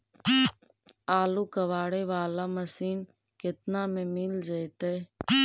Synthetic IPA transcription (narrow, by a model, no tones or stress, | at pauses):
aːlokəʋaːɽeʋaːlaməsiːn | kɪt̪namẽmɪld͡ʒaet̪e